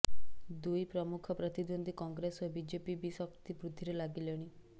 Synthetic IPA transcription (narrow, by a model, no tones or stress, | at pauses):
d̪ujpɾɔmukʰɔpɾɔt̪id̪wond̪ʱikɔŋɡɾesɔbid͡ʒepibisɔkt̪ipɾud̪ʱːiɾelaɡileɽ̃i